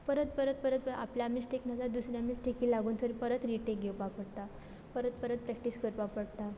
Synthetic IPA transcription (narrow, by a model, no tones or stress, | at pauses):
pəɾət̪̚pəɾət̪̚pəɾət̪̚pəa̰pljamisʈʰeknat͡sad̪usɾjamisʈʰekiːlaɡuːnt̪ʰəɾipəɾət̪ɾiʈeɡʱewpapəɽt̪a | pəɾət̪̚pəɾət̪̚pɾɛk̚ʈiːskəɾpapəɽt̪a